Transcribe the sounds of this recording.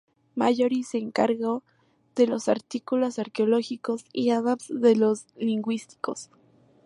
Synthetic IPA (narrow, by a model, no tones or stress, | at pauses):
maʝoɾiseːŋkaɾɣo | ð̥elo̞saɾt̪ikulosaɾkeoloxikosiaðapsðelosliŋɡwist̪i̥kos